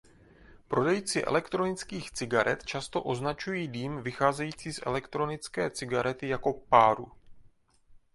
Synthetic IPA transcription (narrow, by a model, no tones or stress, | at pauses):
pɾo̞dɛjit͡sɪʔɛ̰lɛkt̪ɾo̞nɪt͡skiːxt͡sɪɡaɾɛ̰t̪t͡ʃast̪o̞ʔo̞znat͡ʃujiːdiːmvɪxaːzɛjiːt͡siːsʔɛ̰lɛkt̪ɾo̞nɪt͡skɛːt͡sɪɡaɾɛt̪ɪjako̞paːɾṵ